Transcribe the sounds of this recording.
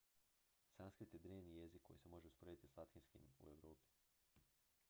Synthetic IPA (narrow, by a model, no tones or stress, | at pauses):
sanskɾit̪jed̪ɾeːʋnije̞zikʰːo̞jise̞mo̞ʒeuspɾoet̪islˠat̪xinskḭmṵeʋɾoːpi̥